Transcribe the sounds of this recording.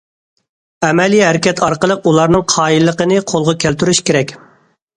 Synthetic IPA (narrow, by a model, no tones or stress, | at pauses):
ɛmɛlijɦæɾɪkʲɛt̪ʰɑɾqəlˠəqulˠɑɾnɨŋqʰɑːilːəqənɨqʰolˠʁɑkʲʰælt̪yɾyʃkʲeɾɛkʲ